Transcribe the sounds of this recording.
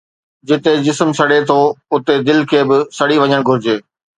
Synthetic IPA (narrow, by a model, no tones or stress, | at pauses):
d͡ʑɪt̪ed͡ʑɪsmsɐɽet̪ʰoʊt̪ed̪ɪlkʰeːbɪsɐɽiʋɐ̃ɲəɽ̃ɡʱʊɾɪd͡ʑeː